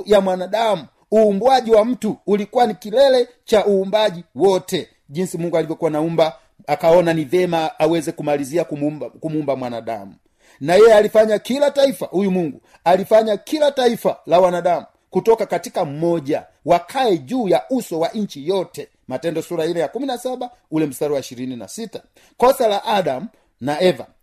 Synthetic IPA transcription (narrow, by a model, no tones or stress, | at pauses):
jamwanaɗamu | uːmbwaɟiwam̩tuːlikuwanikilɛlɛ | t͡ʃaʔuːmbaʄiwɔtɛ | ʄinsimuŋɡualivjɔkuwanaumba | akaɔnanivɛmaːwɛzɛkumaliziakkumuumbamwanaɗa̰mu | najɛjɛalifaɲakilataifa̰hujumuŋɡu | alifaɲakilataifalawanaɗamu | kutɔkakatikam̩mɔʄa | wakʰaɛʄuːjaʔusɔwaʔɲt͡ʃijɔtɛ | matɛndɔsuɾailɛjakuminasaba | ulɛm̩saɾwaiʃiɾinina̰sita | kɔsalaʔaɗamu | naɛva̰